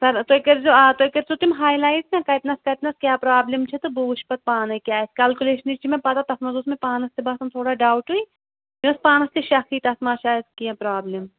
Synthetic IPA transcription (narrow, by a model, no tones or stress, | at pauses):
sɐɾt̪okɐɾzoat̪okɐɾsot̪umɦaːjlaːjznãkɐjt̪nɐskɐt̪nɐskʲjaːpɾaːblimt͡ʃʰit̪ɨbuːʃpɐt̪̚paːnɐkʲjaːskʲalkuleːʃɐnit͡ʃʰimẽpɐt̪at̪ɐfnɐzuːsmẽpaːnɐst̪ebaːsɐmt̪ʰoːɽaːɖaːwʈɦui | t̪iɐspaːnɐst̪iʃɐxiːt̪ɐsmaːʃaːzkiɐpɾaːblim